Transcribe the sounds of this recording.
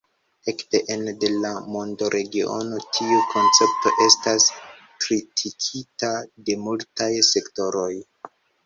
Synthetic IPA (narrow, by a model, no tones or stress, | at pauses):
e̞kte̞ʔende̞lamo̞ndo̞ɾʔe̞ɡio̞̰no̞tʰiukʰo̞nt͡se̞p̚to̞̰ʔe̞stas | kɾitʰikʰitade̞multajse̞kto̞ɾo̞j